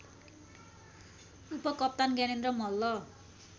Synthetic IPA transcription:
upʌkʌp̚t̪anɡanenrʌmʌlːʌ

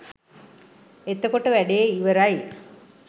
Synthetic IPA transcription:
et̪ːɐkoʈːəʋæɖejeiʋɐɾaj

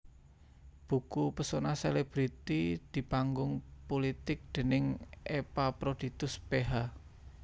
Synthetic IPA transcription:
b̥ṳkupəsonaseleb̥ɾit̪id̪̥i̤paŋɡʊŋpolit̪ɪk̚d̪̥e̤nɪŋepapɾod̪̥i̤t̪ʊspeɦa

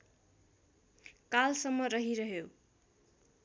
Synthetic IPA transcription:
kalsʌmːʌɾʌɦiɾʌɦjo

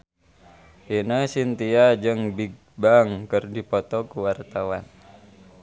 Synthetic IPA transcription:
hinasint̪iad͡ʒəŋbiɡ̚baŋkərdipɔt̪ɔkuwart̪awan

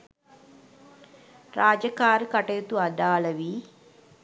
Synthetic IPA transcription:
ɾaːd͡ʒɐkaːɾkɐʈejut̪uɐd̪aːlɐʋi

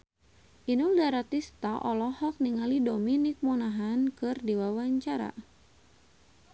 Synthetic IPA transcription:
ʔinuldaɾat̪ist̪aʔɔlɔhɔk̚niŋalidominik̚mɔnaɦankɨrdiwawaɲt͡ʃaɾa̰

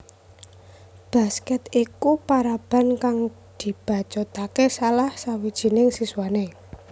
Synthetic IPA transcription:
b̥a̤skɛt̪ikupaɾab̥a̤nkaŋ | d̪̥i̤b̥ä̤t͡ʃɔt̪akesalahsawid̥ʒ̥i̤nɪŋsiswane

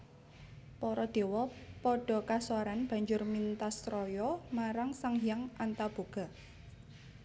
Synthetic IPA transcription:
pɔɾɔd̪̥e̤wɔpɔɖ̥ɔ̤kaswaɾanb̥a̤ɲd͡ʒʊrmint̪ast̪ɾɔjɔmaɾaŋsaŋijaŋʔant̪ab̥o̤ɡ̥a̤

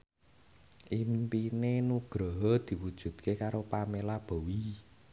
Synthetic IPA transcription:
ʔimpinenuɡ̥ɾɔɦɔd̪̥i̤wud̥ʒ̥ṳd̪̥̚kʰekaɾopamelab̥o̤wi

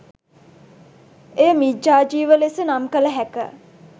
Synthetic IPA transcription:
ejəmid͡ʒaːd͡ʒiːʋəlesənamkələɦækə̰

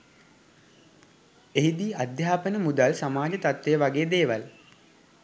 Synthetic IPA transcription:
eɦid̪iːad̪jaːpənəmud̪alsamaːd͡ʒət̪at̪ʋejəʋaɡeːd̪eːʋal

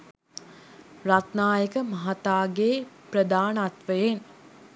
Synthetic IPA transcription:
rat̪naːjəkəmaɦat̪aːɡeːprəd̪aːnəat̪ʋəjen

